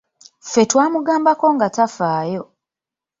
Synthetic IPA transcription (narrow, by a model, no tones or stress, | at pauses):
fetwaːmuɡaːmbako̞ŋɡatafaːjo